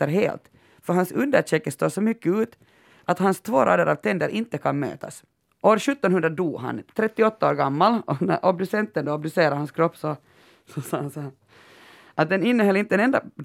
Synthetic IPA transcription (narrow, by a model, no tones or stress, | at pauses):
əɾɦḛːlt̪ | fœɾɦhansʉnd̪əʂɛkːəst̪oːʂɔmʏkːəʉːt̪ | ʔat̪hanst̪ʰvoːɾʔɑ̰ːd̪əɾʔavt̪ʰɛnd̪əɾʔɪnt̪ːəkʰanmø̰ːt̪ʰa̰s | ʔoːɾʂɵt̪ːɔnhɵnd̪ɾad̪uːɦa̰nt̪ʰɾɛt̪ːɪɔt̪ːaoːɾɡamːalɔnæ̰ɾʔɔb̚d̪ʉsɛnt̪ːənd̪oːab̚d̪ʉseːɾaɾhanskʰɾɔpːsɔ | sɔsɑːs | ʔat̪̚d̪ɛnɪnːəhɔlːɪnt̪əɛnɛnd̪a